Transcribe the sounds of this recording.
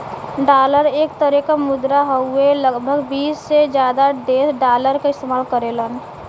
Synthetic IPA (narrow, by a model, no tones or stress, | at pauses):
ɖaːləɾeːk̚t̪əɾekamʊd̪ɾaɦəueləɡbʱəɡbiːsːed͡ʒjaːd̪aɖeːsɖaːləɾkaɪst̪eːmaːlkəɾelən